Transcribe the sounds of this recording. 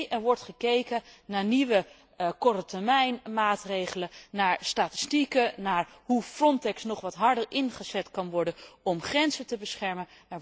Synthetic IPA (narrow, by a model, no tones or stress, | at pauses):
ʔɛɹʋɔɹtχəkejkənnaːɹniʋə | kɔrətəmɛjnmaːtrejχələnaːɹstaːtɪ̥stikənaːɹɦufrɔntɛksnɔχʋɑtɦɑɹdəɹɪnχəz̥ɛtkɑnʋɔɹdənɔmχrɛnzətəbəsχɛɹmən | ɛɹ